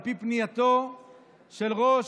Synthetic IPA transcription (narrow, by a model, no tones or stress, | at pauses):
pipnijat̪o | ʃelʁoʃ